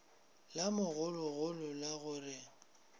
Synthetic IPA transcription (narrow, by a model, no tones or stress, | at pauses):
lamʊɣʊlʊɣʊlʊlaɣʊrɪ